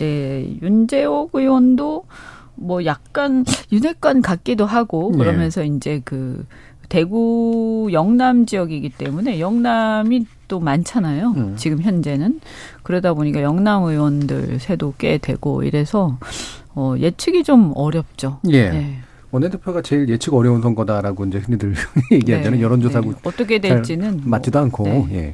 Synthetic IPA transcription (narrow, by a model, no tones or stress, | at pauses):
ne̞jund͡ʑe̞oɡɯwʌndo | mwʌjak̚k͈anjunek͈ankak̚k͈idoɦaɡokɯɾʌmjʌnsʰʌind͡ʑe̞kɯ | te̞ɡujʌŋnamd͡ʑijʌɡiɡit͈e̞mune̞jʌŋnamit͈omant͡ɕʰanajot͡ɕiɡɯmçjʌnd͡ʑe̞nɯnkɯɾʌdaboɲik͈ajʌŋnamɯwʌndɯ̰ɭsʰe̞dok͈e̞̰dwe̞̰ɡo̰ḭɾe̞sʰʌ | ʌje̞t͡ɕʰɯɡid͡ʑomʌɾjʌp̚t͡ɕ͈oje̞je̞ | ʌnedʰɯpʰjoɡat͡ɕe̞ilje̞t͡ɕʰɯɡʌɾjʌunsʰʌŋɡʌdaɾaɡoind͡ʑe̞hɯnidɯɭjeɡdieenɯnjʌɾʌnd͡ʑosʰaɡuʌt͈ʌkʰe̞dweɭt͡ɕ͈inɯnmat͈idoɦankʰoje̞̰